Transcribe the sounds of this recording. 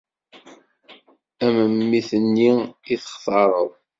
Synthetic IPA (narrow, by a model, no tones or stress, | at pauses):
æməmːiθənːiiθə̥χθɑɾˤə̰ðˤ